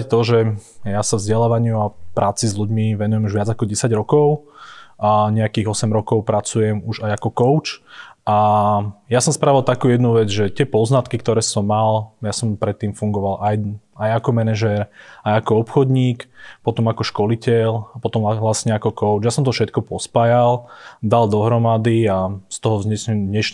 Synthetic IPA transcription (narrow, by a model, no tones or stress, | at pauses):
ct̪ɔʒɛjasavzɟɛlaːʋaɲɪuapɾaːt͡sizʎuɟmiʋɛnujɛmuʒʋɪad͡zakɔɟɛsaɟɾɔkɔʊ | ɲɛakiːɣɔsɛmɾɔkɔʊpɾat͡sujɛmuʒajakɔkɔʊt͡ʃa | jasɔmspɾaːʋilˠt̪akuːjɛd̪nuʋɛd͡zʒɛt̪ɪɛpɔznat̪kikt̪ɔɾɛːsɔmːaljasɔmpɾɛt̪ːiːmfuŋɡɔʋalʔaj | ajakɔmɛnɛʒɛɾajakɔɔpxɔd̪ɲiːkpɔt̪ɔmakɔʃkɔlicɛlapɔt̪ɔmlasɲɛakɔkɔʊt͡ʃjasɔmt̪ɔfʃɛt̪kɔpɔspajald̪ald̪ɔɦɾɔmad̪iast̪ɔɦɔvzɲɛsɲɛmd̪ɲɛʃ